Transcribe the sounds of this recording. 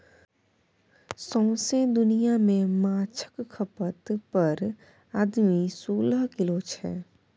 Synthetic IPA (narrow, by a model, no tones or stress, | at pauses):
sɔ̃ːsẽd̪ʊnijamẽmaːt͡ʃʰə̥kkʰːəpət̪pəɾ | aːd̪misoːləɦkɪlot͡ʃʰɛ̰ː